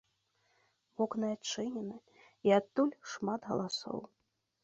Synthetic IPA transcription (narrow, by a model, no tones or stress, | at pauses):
vɔknɨat͡ʂɨnʲɛnɨ | iat̪ːulʲʂmat̪ɣɐ̰lˠasɔ̰w